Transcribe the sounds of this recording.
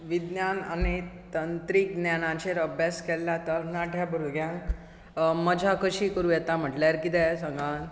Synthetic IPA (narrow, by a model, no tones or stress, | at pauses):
ʋid̪njananit̪ənt̪ɾiːknjanãt͡ɕeɾəbʱjaskɛlːat̪əɾnaʈʰjabəɾud̪ɡjãŋk | məd͡ʑʱakəɕiːkəɾuːjɛt̪am̤əʈljaɾkid̪ɛsə̃ŋɡãn